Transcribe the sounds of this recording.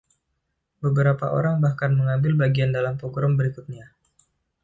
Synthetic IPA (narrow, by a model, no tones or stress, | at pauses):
bəbəɾapa̰ʔo̰ɾaŋbahkanməŋambɪlbaɡiandalampoɡɾɔmbəɾikʊt̪̚ɲa